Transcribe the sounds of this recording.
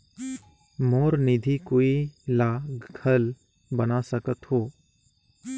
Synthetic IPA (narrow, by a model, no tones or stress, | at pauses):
moːɾnɪd̪ʱikoilaɡʱəl | bənasəkət̪ɦoː